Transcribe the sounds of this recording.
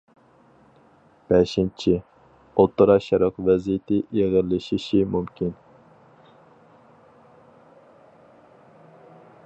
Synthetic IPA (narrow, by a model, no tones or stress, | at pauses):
b̥ɛʃint͡ʃʰi | ot̪ʰːʊɾɑʃɛɾɑqvɛzijɪt̪ʰɪeʁəlːɨʃiʃimumkʲʰin